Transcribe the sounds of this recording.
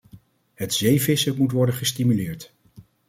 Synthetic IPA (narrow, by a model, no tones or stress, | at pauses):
ɦətz̥ejvɪsəmutʋɔɹdəχəstimylɪːɹt